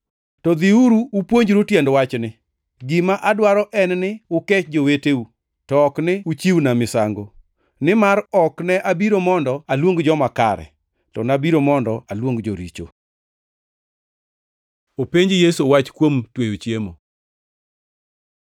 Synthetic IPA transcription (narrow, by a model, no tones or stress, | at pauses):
tɔd̪iuɾuːpwoɲd͡ʒɾotjɛndwat͡ʃnɪ | ɡɪmaʔadwaɾɔʔɛnnɪʊkɛt͡ʃd͡ʒoweteu | tɔɔknɪut͡ʃiwnamɪsaŋɡo | nɪmaɾɔknɛʔabiɾomɔndɔalwoŋɡd͡ʒɔmaka̰ɾɛ̰ | tɔ̰nabiɾomɔndɔalwoŋɡd͡ʒoɾit͡ʃo̰ | opeɲd͡ʒjesuwat͡ʃkwomtwejot͡ʃjemo